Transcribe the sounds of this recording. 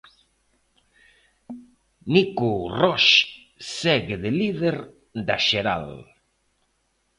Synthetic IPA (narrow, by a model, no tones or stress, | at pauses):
nikurɔʃ | sɛɣeðeliðeɾ | d̪aʃeɾa̰l